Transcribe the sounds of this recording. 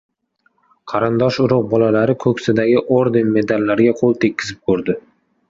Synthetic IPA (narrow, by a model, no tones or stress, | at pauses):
qʰɑɾɪnd̪ɒʃʊɾʊq̚bɒlalaɾɪkʰɵkʲsɪd̪aɡʲɪʔoɾd̪ɪnme̞d̪alːaɾɡʲaqʰolˠt̪ʰekʲːɪ̥zɪp̚kʰɵɾd̪ɪ